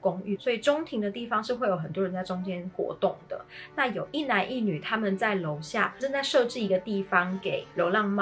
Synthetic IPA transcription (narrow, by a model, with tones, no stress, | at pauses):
kʊ˥ŋy˥˩swɔ˧˥i˨˩ʈ͡ʂʊ˥ŋt̪ʰi˧˥ŋd̪ə˨˧t̪i˥˩fɑ˧˦ŋʂɻ̩˥˧xwe˥˩ɪjo˨˩ʊxə˨˩nt̪wɔ˥ɻə˧˦nt͡sa˥˩ɪʈ͡ʂʊ˥ŋt͡ɕjɛ˥nxwɔ̰˧˥t̪ʊ˥˩ŋd̪̥ə̰˩na˥˩jo˨˩ʊʔi˥˩na˧˥nʔi˥˩ny˨˩t̪ʰa˥mə˨nt͡sa˥˩ɪlo˨˧˥ʊɕja̰˥˨ʈ͡ʂə˥˧t͡sa˥˧ɪʂɤ˥˧ʈ͡ʂɻ̩˥˩i˧˥ɡə˧t̪i˥˩fɑ˦ŋke˨˩˦ɪljo˧˥ʊlɑ˥˧ŋm˥